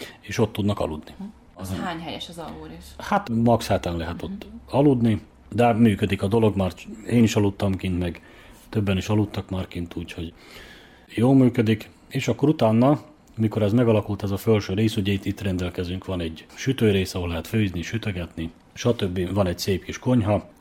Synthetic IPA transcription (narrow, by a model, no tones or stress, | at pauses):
eːʃo̞t̪ːud̪nɒkɒ̰lud̪ni | ɦaːɲhɛjɛʃɒzɒuɾiʃhat̪mɒkshɛt̪ɛnlɛɦɛt̪o̞t̪ːɒlud̪ni | d̪ɛmyːkød̪ikɒd̪o̞lo̞ɡmaːreːniʃɒlut̪ːɒmkint̪mɛɡ | t̪øbːɛniʃɒlut̪ːɒkmaːrkint̪uːcho̞ɟ | joːlmyːkød̪ik | eːʃɒkːo̞ɾut̪aːnːɒ | miko̞ɾɛzmɛɡɒlɒkult̪ɛzɒfølʃøːɾeːsuɟɛit̪ːit̪ːrɛnd̪ɛlkɛzyŋkʋɒnɛɟʃyt̪øːɾeːsɒɦolɛɦɛt̪føːizniʃyt̪øɡɛt̪ni | ʃɒt̪øbːivɒnɛɟseːpkiʃko̞ɲɦɒ